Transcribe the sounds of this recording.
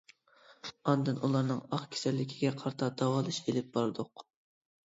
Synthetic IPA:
ɑnd̪ɨnʔulˠɑɾnɨŋɑχkʲʰe̥sɛlːɪkʲʰiɡʲɛqʰɑɾt̪ʰɑd̪̥ɑwɑlˠɨʃelɪp̚b̥ɑɾd̪ʊq

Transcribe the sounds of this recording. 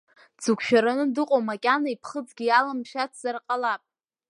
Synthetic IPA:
d͡zukʷʰʃᶣaɾanɨdɨqʷʼomakʲʼanaipʰχəd͡zɡʲijalamʃatʰz̥arqʼalapʼ

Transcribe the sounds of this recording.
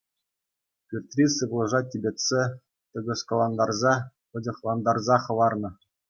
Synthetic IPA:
pʲyrʲt̪ʲrʲisɯblˠɤ̆ʐɑtʲibʲetʲsʲe | t̪ʲɤ̆ɡɤ̆skolˠɑnd̪ɑrzɑ | pɤ̆dʲɤ̆χlˠɑnd̪ɑrzɑχɤ̆ʋɑrnɤ̆

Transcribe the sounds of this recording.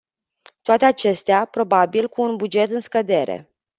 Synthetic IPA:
t̪oat̪eat͡ʃe̞st̪eapɾo̞babilkuːnbud͡ʒe̞t̪ɨnskəd̪e̞ɾḛ

